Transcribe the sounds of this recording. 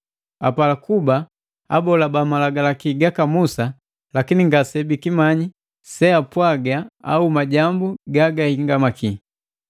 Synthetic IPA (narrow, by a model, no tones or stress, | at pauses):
apalakuba | abɔlabamalaɡalakiɡakamusa | lakiniŋɡasɛbikimaɲi | sɛapwaɡaa̰umaɟambuɡaɡahiŋɡamakʰi